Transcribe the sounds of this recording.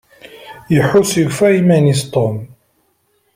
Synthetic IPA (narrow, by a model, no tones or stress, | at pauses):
jəħʊsjəʝfæimænist̪ˤom